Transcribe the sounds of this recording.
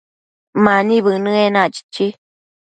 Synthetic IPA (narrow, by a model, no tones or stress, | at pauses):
mãnĩβɨnɨ̃enãt͡ʃi̥t͡ʃi